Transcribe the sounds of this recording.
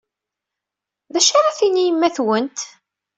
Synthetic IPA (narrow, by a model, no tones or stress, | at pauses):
ðæʃaɾˤaθinijəmːæθwənt̪